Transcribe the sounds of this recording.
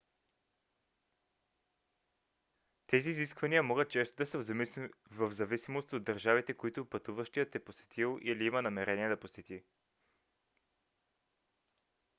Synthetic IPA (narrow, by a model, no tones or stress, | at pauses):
t̪ɛziːziskvɐniəmɔɡət̪̚t͡ʃɛst̪od̪ɐsə | vɐvzɐvisimost̪od̪̚d̪ɐɾʒavit̪ɛkoit̪ʊpɐt̪uvəʃt̪ijət̪ɛposɛ̥t̪ʰilˠʔiliimənɐmɛɾɛniɛd̪ɐposɛt̪i